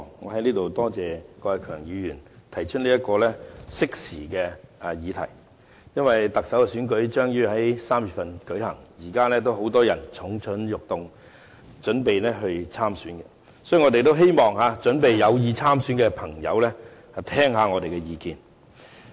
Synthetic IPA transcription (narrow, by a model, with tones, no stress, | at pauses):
ŋɔ̰ː˨˧hɐ˨˦jliː˥t̪o˨wt̪ɔː˥t͡sɛː˨kɔː˧ɛ˨˧kʰœː˨˩ŋjyː˨˧jyː˨˩nt̪ʰɐ˨˩jt͡ʃʰɵ˥t̚liː˥jɐ˥t̚kɔː˧lɛː˥sɪ˥k̚siː˨˩kɛː˧˨jiː˨˧t̪ʰɐ̰˨˩j | jɐ˥nwɐ˨jt̪ɐ˨k̚sɐ˨˥wkɛ˧syː˨˥nkɵ˨˥ɥt͡ʃœː˥ŋjyː˥hɐ˨˦jsaː˥mjy˨˩fɐ˨nkɵ˨˥ɥhɐ˨˩ŋjiː˨˩kaː˥lɛː˥t̪̬o˥wɦo˨˥wt̪ɔː˥jɐ˨˩nt͡sʰʊ˨˥ŋt͡sʰɵ˨˥njʊ˨k̚t̪ʊ˨ŋ | t͡ʃɵ˨˥npe˨jnɛː˥ɦɵ˧ɥt͡sʰaː˥msyː˨˥nkɛ˧ | sɔː˨˥˨ŋɔː˨˧e˨jt̪o˥wɦe˥jmɔː˨ŋhaː˨˧t͡ʃɵ˨˥npe˨jjɐ˨˧wjiː˨˧t͡sʰaː˥msyː˨˥nkɛ˧pʰɐ˨˩ŋjɐ̰˨˧wlɛ˥hɐ˨t̪ʰɛː˥ŋɦaː˨˧ŋɔː˨˧t̪e˨jkɛ˧jiː˨˧kiː˨n